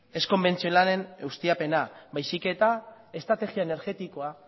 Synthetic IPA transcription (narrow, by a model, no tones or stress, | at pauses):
e̞sko̞mbe̞nt͡sio̞lane̞neust̪iape̞nabajsike̞t̪a | e̞st̪ɾat̪e̞ɣiaene̞ɾɣe̞t̪iko̞a